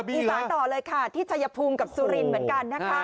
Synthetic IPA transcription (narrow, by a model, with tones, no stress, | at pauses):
iː˧saː˦˥t̪ɔː˨˩lɤː˧jkʰa˥˩t̪ʰiː˥˩t͡ɕʰa˧ja˧pʰuː˧mka˨˩p̚suː˧ɾi˧˩nmɯ˩˦ənka˧nːa˦˥kʰa˦˥˩